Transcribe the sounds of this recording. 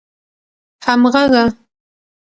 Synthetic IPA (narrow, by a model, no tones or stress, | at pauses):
hɑmɢɑɢɑ